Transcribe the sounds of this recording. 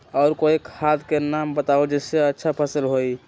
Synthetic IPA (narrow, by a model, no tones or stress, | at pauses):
ɔʊɾkoekʰat̪kenambət̪aod͡ʒeseətːʃʰapʰəsəlɦoj